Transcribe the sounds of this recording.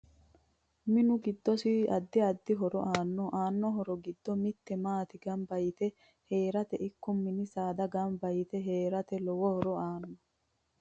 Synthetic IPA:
mɪnʊɡɪd̪ːɔsɪɐd̪ːɪɐd̪ːɪɦɔɾɔ̰ʔaːnːɔʔaːnːɔɦɔɾɔɡɪd̪ːɔmɪt̪ːɛmaːt̪ɪɡɐmbɐjɪt̪ɛ | heːɾɐt̪ɛʔɪkːʊmːɪnɪsaːd̪ɐɡɐmbɐjɪt̪ɛɦeːɾɐt̪ɛlɔwɔhɔɾɔaːnːɔ

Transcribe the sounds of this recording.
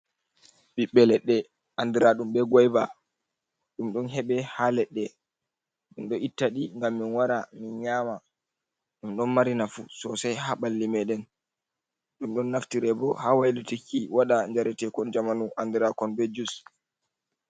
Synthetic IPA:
ɓiɓːɛlɛɗːɛ | ʔandiɾaɗumɓɛɡɔjba | ɗumɗɔnɦɛɓɛhalɛɗːɛ | ɗinɗɔʔitːaɗiŋɡamːinwaɾaminɲaːma | ɗumɗɔnmaɾinafusɔsajhaɓalːimɛɗɛn | ɗumɗɔnːaftiɾɛbɔhawajlitikːiwaɗaɲd͡ʒaɾɛtɛkɔnd͡ʒamanuʔandiɾakɔnbɛd͡ʒus

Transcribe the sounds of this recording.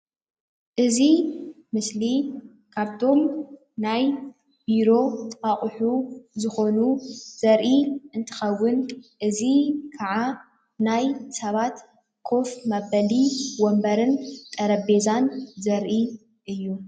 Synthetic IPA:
ʔɨzi | mɨsli | kʰaβt̪ʰo̞m | naj | b̥iɾo̞t̪ʼɨaχʼħuzɨxo̞nuz̥ɐɾʔiʔɨnt̪ʰɨ̥xɐwːʊnʔɨzikʰaʕa | najsɐβat̪ | kʰo̞fmabɐliwɔmbɐɾɨnt̪ʼɐɾɐbe̞zanzɐɾʔi | ʔɨjːu

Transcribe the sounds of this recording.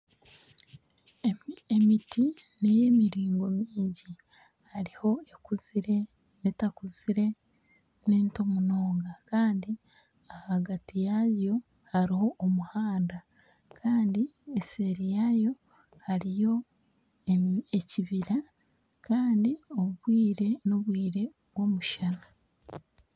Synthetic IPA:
emitineje̞ːmiɾiːŋɡo̞miːɲɟi | haɾiho̞ekuziɾe̞ | netakuziɾe̞ | neːntomunoːŋɡakaːndi | ahaɡatijajo̞ | haɾiho̞ʔːmuhaːnda | kʰaːndieseɾijajo̞ | haɾijo̞ | eciβiɾa | kaːndiouβwiːɾe̞noβwiːɾe̞ | βwo̞muʃana

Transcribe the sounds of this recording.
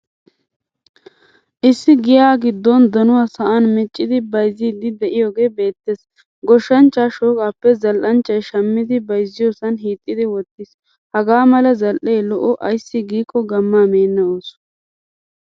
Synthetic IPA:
ʔɪsːɪɡɪjaːɡɪd̪ːɔnd̪ɐnʊwaːsɐʔanmɛt͡ʃʼːɪd̪ɪbɐjzːiːd̪ɪd̪ɛʔɪjoːɡe̞ːbe̞ːt̪ːeːs | ɡɔʃːɐnt͡ʃːaːʃoːkaːpːɛzɐlʔɐnt͡ʃːɐjʃɐmːɪd̪ɪbɐjzːɪjoːsɐnɦiːt̪ʼːɪd̪ɪwɔt̪ːɪs | hɐɡaːmɐlɐzɐlʔejlɔʔɔʔɐjsːɪɡiːkʰʼːɔɡɐmːaːmeːnːɐoːs

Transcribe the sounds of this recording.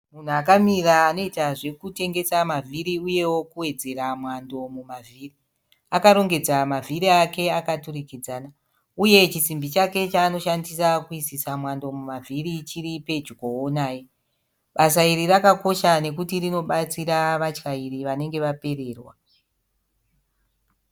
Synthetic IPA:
mun̤uakamiraːno̞itaʐe̞kute̞ŋɡe̞samavʱiɾiuje̞wo̞kuwe̞d͡ze̞ɾamwando̞mumavʱiːri | akaɾo̞ŋɡe̞d͡zamavʱiɾiake̞akaturikid͡zaːna | uje̞t͡ʃisimbit͡ʃake̞t͡ʃaːno̞ʃandisakuisisamwando̞mumavʱiɾit͡ʃiɾipe̞d͡ʒuɡoonaːje | ɓasaiɾirakako̞ʃane̞kutirino̞ɓat͡siɾaʋat͡ʃkaiɾiʋane̞ŋɡe̞ʋape̞re̞ːrwa

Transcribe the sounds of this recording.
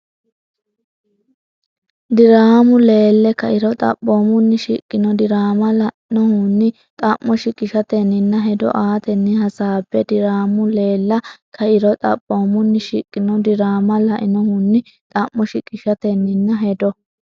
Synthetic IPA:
d̪ɪɾaːmʊle̞ːlːɛkɐʔɪɾɔt̪ʼɐ̰pʼːoːmʊnːɪʃikʼːɪnɔd̪ɪɾaːmɐlɐʔɪnɔhʊnːɪ | t̪ʼɐmːɔʃɪkʼɪʃɐt̪ɛnːɪnːɐɦɛd̪ɔ̰ʔaːt̪ɛnːɪhɐsaːbːɛd̪ɪɾaːmʊle̞ːlːɐkʰɐɪɾɔt̪ʼɐ̰pʼːoːmʊnːɪʃikʼːɪnɔd̪ɪɾaːmɐlɐʔɪnɔhunːɪ | t̪ʼɐmːɔʃɪkʼɪʃɐt̪ɛnːɪnːɐɦɛd̪ɔ

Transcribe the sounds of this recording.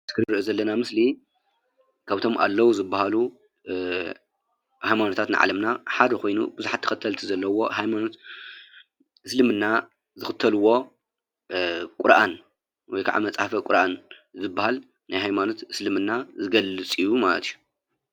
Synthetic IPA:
t̪ʰɨ̥kʰɨɾɾɨʔozɐlːɐnamɨsli | kʰaβt̪ʰo̞mʔa̰lːɐwuzɨbːahalu | hajmanot̪ʰat̪nɨ̰ʕa̰lɐmnaħad̪ɐkʰo̞jnṵbɨzuħat̪ʰːɐ̥xʰɐt̪ʰɐlt̪ʰizɐlːɐwo̞hajmano̞t̪ | ɨslɨmɨnːa | zɨxɨt̪ʰːɐlɨwo̞ | kʼʊɾʔan | wɔjkʰa̰ʕʔa̰mɐt͡sʼahfɐkʷʼʊɾʔan | zɨbːahal | najɦajmano̞t̪ɨslɨmɨnːazɨɡɐlːɨt͡sʼijumalɐ̰t̪ʰiju

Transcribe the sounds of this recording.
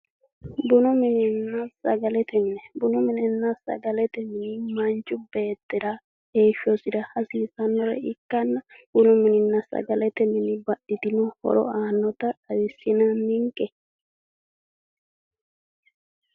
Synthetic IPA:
bʊnʊmɪnɪnːɐsɐ̰ɡɐlɛt̪ɛmɪnɛbʊnʊmɪnɛnːɐsɐ̰ɡɐlɛt̪ɛmɪnɪmɐnt͡ʃʼːʊbe̞ːt̪ːɪɾa | eːʃɔsɪd̪ɐhɐsiːsɐnːɔɾɛ̰ɪkːɐnːɐb̥ʊnʊmɪnɪnːɐsɐ̰ɡɐlɛt̪ɛmɪnɪbɐɗɪt̪ɪnɔhɔ̰ɾɔ̰aːnːɔt̪ɐɐjɪsːɪnanːɪŋkʼːɛ

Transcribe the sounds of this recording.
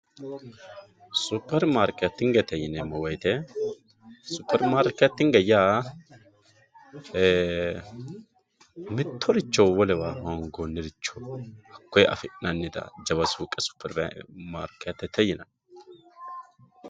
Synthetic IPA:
supːɛɾmaɾkɛt̪ːɪŋɡɛt̪ːɛjɪnɛmɐwɔjt̪ɛ | sʊpːɛɾmaːɾkɛt̪ːɪŋɡɐjaː | mɪt̪ʰːɔɾɪt͡ʃːɔwwɔlɛwaːhaŋɡonːɪɾɪt͡ʃːɔhɐkːɔjʔɐ̰fɪnɐnːɪd̪ɐ̰d͡ʒɐβɐsuːkʼːɛsʊ̥pːɛɾma̰ɾkɛt̪ːɛt̪ːɛjɪnɐ

